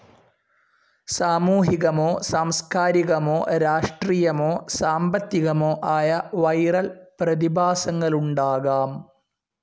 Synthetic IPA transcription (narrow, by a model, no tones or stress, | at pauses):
saːmuːɦiɣɐmoːsaːmskaːɾiɣɐmoːɾaːʂʈriːjɐmoːsaːmbɐt̪ːiɣɐmoːʔaːjɐʋɐjrɐlprɐðibʱaːsɐŋːɐɭuɳɖaːɣaːm